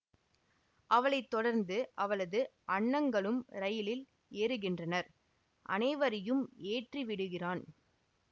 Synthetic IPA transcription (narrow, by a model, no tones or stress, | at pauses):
ʔɐʋɐɭɐɪt̪ːɔɽɐɾnd̪ɯʔɐʋɐɭɐðɯʔɐɳːɐŋɡɐɭɯmɾɐjɪlɪl | eːɾɯɣɪndrɐnɐɾ | ʔɐ̰nɐɪʋɐɾɐjɯmeːʈriʋɪɽɯɣɪraːn